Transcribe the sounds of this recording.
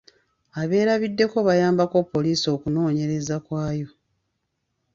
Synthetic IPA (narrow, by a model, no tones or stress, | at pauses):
aβe̞ːɾaβidːe̞ko̞βajaːmbako̞pːo̞liːso̞ːkuno̞ːɲe̞ɾe̞zakwaːjo̞